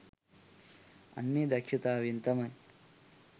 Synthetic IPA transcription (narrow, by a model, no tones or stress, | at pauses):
ɐ̰nːiːd̪ɐkʂit̪aːʋint̪ɐmɐj